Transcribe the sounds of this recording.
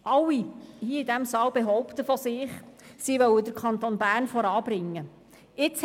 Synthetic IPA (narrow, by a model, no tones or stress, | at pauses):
ʔɑlːihiːəidæmsɑːwbeɦɔʊpt̪əfɔsɪːχsiʋœwəd̪əɾkʰɑnt̪onbæːɾnfɔɾɑːbɾɪŋːə | ɪt͡s